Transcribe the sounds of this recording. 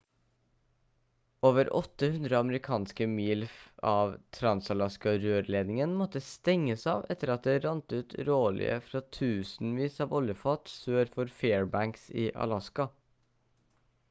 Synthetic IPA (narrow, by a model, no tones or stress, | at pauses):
oːʋəɾʔɔt̪ːəhʉnd̪ɾəɑməɾɪkʰɑːnskəmiːlfɑːʋt̪ʰɾɑnsɑlɑskɑɾøːɾleːd̪nɪŋənmɔt̪ːəst̪ɛŋːəsɑːʋɛt̪ːəɾɑt̪̚d̪eːɾɑnt̪ʉːt̪ɾoːlɪ̰ə̰fɾɑt̪ʰʉːsn̩ʋiːsɑːʋɔljəfɑːt̪søːɾfɔɾfeːɹbæŋksiːʔɑ̰lɑskɑ